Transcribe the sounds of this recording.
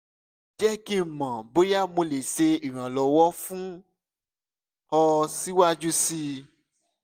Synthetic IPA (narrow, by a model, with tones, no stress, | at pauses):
d͡ʒɛ˦kĩ˦˨mã˨bo˦ja˦˨mõ˧le˨se˧i˨ɾ̃ã˨lɔ˨wɔ˦fũ˦ | hɔ˧si˦wa˦d͡ʒu˦si˧